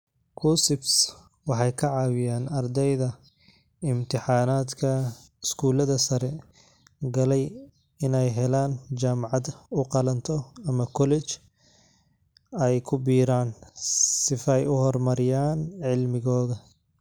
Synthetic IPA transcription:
kʰuːsɪbs | wɑħɑjkʰɐʕɑːwɪjaːnɐrd̪ɛjðɐ | ɪmt̪ʰɪħɑːnaːd̪kʰɐ | ɪskʰuːlɐðɐsɐɾɛ | ɡɐlɛj | ɪnɛjɦɛlaːnt͡ʃaːmʕɑd̪ʊqɑlɐnt̪ʰɔɐmɐkʰɔlɛt͡ʃ | ɛjkʰʊbiːɾaːnsɪfɐjʊhɔrmɐɾɪjaːnʕɪlmɪɣɔːðɐ

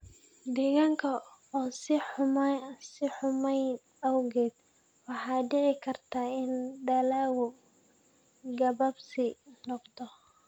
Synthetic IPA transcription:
d̪ɛɣaːŋkʰɐːsɪmsɪħʊmɛj | ɐwɣɛːd̪ | wɑħɑːɖɪʕɪkʰɐrt̪ʰaːɪnɖɐlaːɣʊ | ɡɐβɐbsɪnɔqt̪ʰɔ

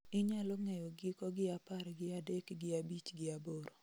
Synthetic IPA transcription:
ɪɲalɔŋejoɡɪkɔɡɪapaɾɡɪadekɡɪabit͡ʃɡɪaboɾo

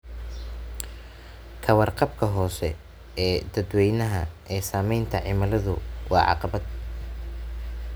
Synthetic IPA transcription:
kʰɐwɑrqɑbkʰɐɦɔːsɛ̰ | ɛːd̪ɐd̪wɛjnɐɦɐʔɛːsaːmɛjnt̪ʰɐʕɪmɐlɐðʊwʔɑ̰ːʕɑ̰qɑbɐd̪̚

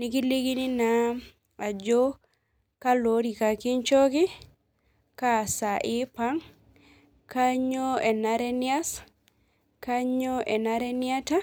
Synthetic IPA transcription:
nikiliɡinina | ad͡ʒo | kaloɾikakint͡ʃoki | kasaʔipaŋ | kaɲɔɛnaɾɛnias | kaɲɔʔɛnaɾɛniata

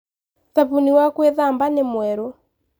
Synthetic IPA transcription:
ðapuniwakweðambanemwɛɾo

